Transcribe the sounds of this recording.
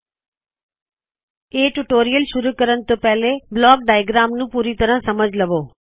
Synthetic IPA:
eːʈuʈoːɾijəlʃʊɾukɐɾəñ̆t̪opɐɦɪleblɔːk̚ɖaːjɡɾaːmnũpuːɾit̪ɐɾə̃sɐməd͡ʑʱlɐʋoː

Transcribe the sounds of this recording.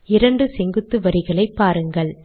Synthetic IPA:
ɪɾɐɳɖɯsɛŋɡɯt̪ːɯʋɐɾɪɣɐɭɐɪpːaːɾɯŋɡɐɭ

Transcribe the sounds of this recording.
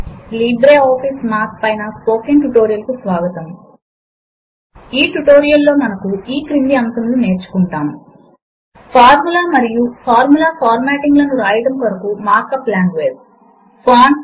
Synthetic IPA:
liːbɾeːɔːpʰismaːk̚pɐjnɐspo̞ːkenʈuʈoːɾijɐlkusʋaːɡɐt̪ɐm | iːʈuʈo̞ːɾijɐlːo̞ːmɐnɐkuiːkɾind̪iɐnsɐmlune̞ːɾt͡ʃu̥kuɳʈaːnu | pʰaːɾmulaːmɐɾijupʰaːɾmulaːpʰaːɾmaːʈiŋɡlɐnuɾaːjɐʈɐmkɐɾɐkumaːɾkɐpːlaːŋɖʋeːd͡ʒ | paːn

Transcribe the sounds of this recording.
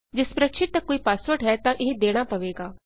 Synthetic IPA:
d͡ʒɪspɾəkʃɪʈ̪̚t̪ɐkːoːiːpaːsʋəʈɦɛt̪ãːʔɪɦĩd̪eːɽ̃aːpəʋeːɡaː

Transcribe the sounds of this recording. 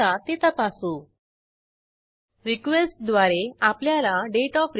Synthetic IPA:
at̪et̪apasũː | ɾikʋesʈ̚d̪ʋaɾeapljalaɖeʈɔfɾ

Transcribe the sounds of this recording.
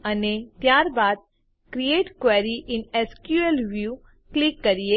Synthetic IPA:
ɐnẽt̪jaːɾbaːd̪̚ | kɾieːʈkwɛːɾiʔɪnɛskjuelʋjuː | klɪkːɐɾie

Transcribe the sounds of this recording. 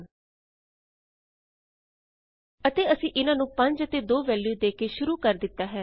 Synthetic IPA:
ət̪eːəsĩːʔɪnãːnũːpəɲd͡ʒət̪eːd̪oːʋɛːljuːd̪eːkeːʃʊɾuːkəɾd̪ɪt̪ːaːɦɛː

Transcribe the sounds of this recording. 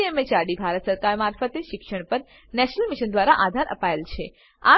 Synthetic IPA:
emet͡ʃaɽibʱaɾət̪səɾkaɾmaɾfət̪eʃɪkʃəɳpəɾ | nɛʃnəlmiʃənd̪ʋaɾaʔad̪ʱaɾə̰paelt͡ʃʰe | a̰

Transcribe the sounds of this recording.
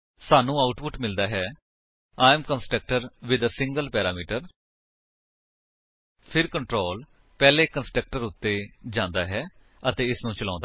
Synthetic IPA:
saːnũːaːʊʈpʊʈmɪld̪aːɦɛː | aːmkənsʈək̚ʈəɾʋɪd̪əsɪ̃ŋɡəlpɛːɾaːmiːʈəɾ | pʰɪɾkəɳʈɾoːl | pɛːleːkənsʈək̚ʈəɾʊt̪ːeːd͡ʒãːnd̪aːɦɛː | ət̪eːɪsnũːt͡ʃəlãːnd̪a

